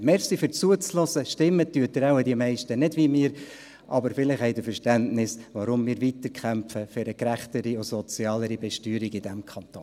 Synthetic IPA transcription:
mɛɾsifʏɾt͡suət͡slɔsəʃtɪmːətyətəɾaʊədiəmɛɪʃtənɪdʋimɪːɾ | ʔɑbəɾfɪlɪχhɛɪd̪əfəɾʃtæntnɪsʋaɾʊmmiːɾvit̪əɾkʰχæmpfəfɪɾəkɾæχt̪əɾiʊsɔt͡sjɑːləɾibɛʃtyːɾiɡɪd̥æmkʰɑnt̪o

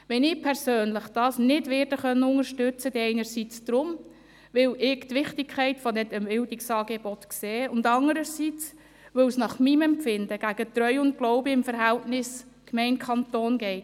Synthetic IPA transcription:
ʋɛnɪpʰɛɾsøːnləχd̥ɑːsnɪdʋɪːɾd̥əχœnːəʊŋəɾʃtʏt͡sədiɛɪnəɾsit͡sd̥ɾʊm | ʋɪlɪɡt̪ʋɪχtɪkʰɛɪtfɔdɛtəmbɪldɪksɑːɡebɔtkseːʊndɑŋəɾəsit͡s | ʋɵwsnɑχmimɛmpfɪndəɡ̥æɡ̥ət̪rœʏʊntklɔwbiɪmfəɾɦæltnɪs | kmɛɪnkʰɑntoːnɡɛɪt

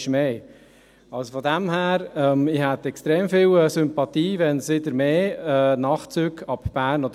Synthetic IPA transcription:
ʃmeː | ɑlsofɔd̪æmhæːɾɛmɪhɛt̪ɛkstɾeːmfiːlsʏmpɑt̪iːʋɛnsʋɪd̪əɾmeːɛːnɑχt͡syːkɑbb̥æːɾnod

